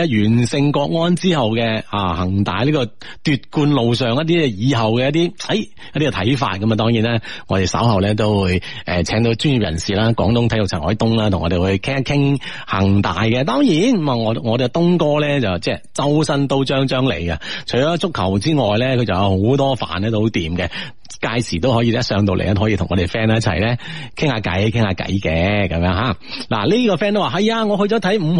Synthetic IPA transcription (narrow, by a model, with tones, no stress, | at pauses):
ɐ˧jyː˨˩nsɪ˧ŋkɔː˧k̚ŋɔː˥nt͡siː˥hɐ˨wkɛ˧aː˨˩hɐ˨˩ŋt̪a̰ː˨jliː˥kɔː˧ | t̪yː˨˧t̚kuː˧nlo˨wsœː˨ŋjɐ˥t̚t̪iː˥ɛ˧jiː˨˧ɦɐ˨wkɛ˧jɐ˥t̪iː˥ɐ˨˥j | jɐ˥t̪̚ːiː˥kɛ˨t̪ʰɐ˨˥jfa̰ː˧t̚kɐ˨˦ma˨˧t̪ɔː˥ŋjiː˨˥nɛː˥ŋɔː˨˧te˨˩sɐ̰˨˥whɐ˨wlɛː˥t̪̬o˥wwuː˨˧jʔɛː˨˩t͡sʰɛː˨˥ŋt̪̬o˧˥wt͡ʃyː˥nji˨p̚jɐ˨˩nsiː˨laː˥kwɔː˨˥ŋt̪ʊ˥ŋt̪ʰɐ˨˥jʊ˨k̚t͡sʰːhɔ̰ː˨˥jt̪ʊ˥ŋlaː˥t̪ʰŋːɔ̰ː˨˧e˨wu˨˧jkʰɛː˥ŋ˥kʰɪ˥ŋ | hɐ˨˩ŋt̪aː˨jkɛ˧t̪ɔː˥ŋjiː˨˥nmɐ˨˩ŋɔ˨˧ŋɔː˨˧d̪t̪ʊ˥ŋkɔː˥lɛː˥t͡sɐ˨wt͡sɛː˧t͡sɐ˥wsɐ˥nt̪o˥wt͡ʃœː˥ŋt͡ʃœː˥ŋlḛ˨˩jkɐ˧t͡ʃʰɥɔː˨˥t͡sʊ˥kʰːɐ˨˩wt͡siː˥ŋɔː˨jlɛ˥kʰɵ˨˧ɥt͡sɐ˨wjɐ˧who˨˥wt̪ɔː˥fa̰ː˨nɛː˥t̪o˥ho˨˥wt̪iː˨mkɛ˧ | kaː˧jsiː˨˩t̪o˥wɦɔː˨˥jiː˧˥jɐ˥tsœː˧ŋt̪o˨wlḛ˨˩ʔɛ˥hɔː˨˥iː˧t̪ʰʊ˨˩ŋɔ˨˧te˨˩fɛː˥n˦ɐ˥t͡sʰɐ˨˩jlɛː˥kʰɪ˥ŋhaː˧kɐ̰˨˥jkʰɪ˥ŋhaː˧kɐ̰˨˥jkɛː˧kɐ˨˧mjœː˧˥ŋɦaː˨˥la̰ː˨˩liː˥kɔː˧fɛː˥nt̪o˥waː˨˧ɦɐ˨jaː˧ŋɔ˨˧ɦɵ˧ɥt͡sɔː˨˥t̪ʰɐ˨˥jm̩˨˧